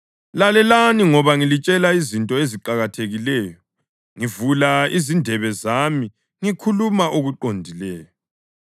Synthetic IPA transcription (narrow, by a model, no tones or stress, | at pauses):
lalɛlaniŋɔβaŋilit͡ʃʼɛlaizintʼɔeziǃaɣatʰeɣilɛːjɔ | ŋivulaizindʱɛβɛzami | ŋikʰulumaʔoɣuǃondʱilɛːjɔ